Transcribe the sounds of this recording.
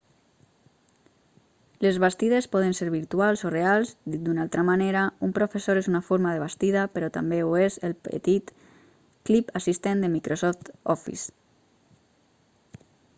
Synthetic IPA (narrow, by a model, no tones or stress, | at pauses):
lezβast̪iðespɔð̞ənseɾβiɾt̪ualˠzorealˠzd̪id̪unalˠt̪ɾamaneɾaumpɾofesoɾezunafoɾmaðəβ̞ast̪iðapəɾɔt̪a̰mbeuezelˠpə̰t̪it̪ | klipasist̪end̪əmikɾosɔft̪ɔfḭs